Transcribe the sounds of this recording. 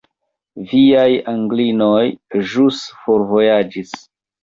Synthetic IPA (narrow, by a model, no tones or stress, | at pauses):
viajaŋɡlino̞jʒusfo̞ɾvo̞jad͡ʒis